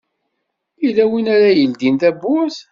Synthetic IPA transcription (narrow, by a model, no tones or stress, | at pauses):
ilæwinaɾajəld̪int̪æbʊθ